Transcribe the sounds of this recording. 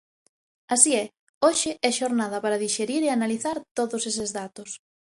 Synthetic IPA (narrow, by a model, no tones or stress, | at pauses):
asiɛ | oʃɪɛʃoɾnaðɐpaɾɐðiʃeɾiɾeanaliθaɾt̪oðʊsesɪzðat̪ʊs